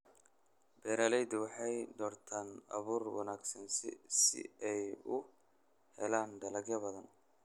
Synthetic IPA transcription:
bɛːɾalɛjd̪ɪwɑħɑjd̪ɔːrt̪ʰaːnɐ̰βuːrwɑ̰naːɡsɐnssɪ̰ɛjʊ | hɛ̰laːnd̪ɐlɐɡjɐbɐðɐn

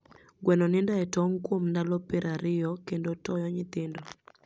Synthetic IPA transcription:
ɡwɛnɔnɪndaɛtɔŋkwomndalɔpɪɾʔaɾɪjɔkendotɔjɔɲɪt̪ɪndɔ

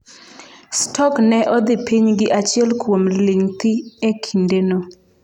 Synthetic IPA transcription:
stʰɔknɛʔɔd̪ɪpiɲɡɪʔat͡ʃɪɛlkwomliŋt̪iɛkʰindeno

